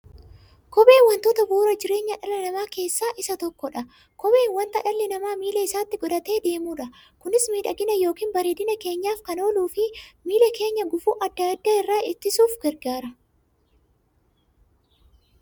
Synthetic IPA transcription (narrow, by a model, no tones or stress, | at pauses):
kɔbe̞ːnwɐnt̪oːt̪ɐbuːɾɐd͡ʒɪɾe̞ːɲːɐᶑɐlːɐnɐmaːke̞ːsːaːʔɪsɐt̪ɔkːɔᶑɐ | kɔbe̞ːnwɐnt̪ɐᶑɐlːɪnɐmaːmiːlɛɪsaːt̪ːɪɡɔᶑ̪ɐt̪e̞ːd̪e̞ːmuːᶑɐkʊnɪsmiːᶑɐɡɪnɐjo̞ːkiːnbɐɾeːd̪ɪnɐke̞ːɲːaːfkɐno̞ːluːfɪmiːlɛke̞ːɲːɐɡʊfuːʔɐd̪ːɐjɐd̪ːɐɪrːaːɪt̪ːɪsuːfɡ̥ɛɾɡaːɾɐ